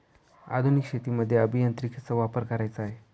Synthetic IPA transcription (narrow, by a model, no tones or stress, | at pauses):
a̰d̪ʱunikɕet̪iːməd̪ʱːjeəbʱijənt̪ɾikʰit͡səʋapəɾkəɾajt͡səaɦe